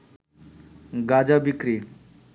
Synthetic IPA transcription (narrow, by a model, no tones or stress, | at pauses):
ɡad͡ʑabikɾi